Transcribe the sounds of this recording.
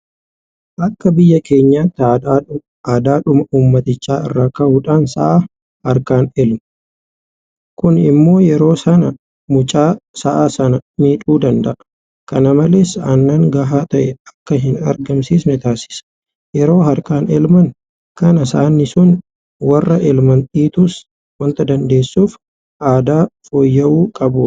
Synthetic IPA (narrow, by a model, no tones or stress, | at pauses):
ʔɐkːɐbɪjːɐke̞ːɲːaːt̪ːa | aːd̪aːᶑʊmɐʔuːmːɐt̪ɪt͡ʃːaːɪ̰rːaːkɐʔuːᶑaːnsɐ̰ʔaː | hɐɾkaːnɛlmɐ | kʊnɪmːo̞ːjɛɾo̞ːsɐnɐ | mʊt͡ʃʼaːsɐʔaːsɐnɐmiːᶑʼuːd̪ɐnd̪ɐʔɐ | kɐnɐmɐleːsaːnːaːŋɡɐɦaːt̪ɐʔɛɐkːɐɦɪnɐ̰ɾɡɐmsiːsnɪt̪aːsɪ̥s | jɛɾo̞ːɦɐɾkaːnɛlmɐŋ | kɐnɐsaːnːɪsʊn | wɐrːɐʔɛlmɐnt̪ʼiːt̪uːs | wɐnt̪ɐd̪ɐnd̪e̞ːsːuːf | ʔaːd̪aːfoːjːɐʔuːkʼɐbʊ